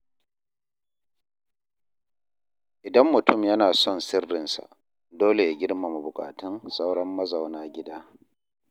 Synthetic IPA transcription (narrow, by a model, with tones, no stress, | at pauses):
ʔɪ˨dɐ˦mːʊ˨tʊ˦˨mjɐ˦naː˨sɔ˦˨nsɪ˦rːɪ˨nsa̰˨ʔ | doː˦le˨ja˨ɡʲɪ˦ɽma˨mu˨bʊ˨kʼa̰ː˨tɪ˦nsa˦wɽɐ˦mːɐ˦za˨wnaː˦ɡʲɪ˦daː˦